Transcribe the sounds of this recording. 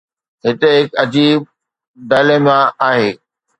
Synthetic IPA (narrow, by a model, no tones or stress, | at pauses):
ɦɪt̪eɦɪkɐd͡ʑiːb̚ | d̪ɐːlemãaːɦeː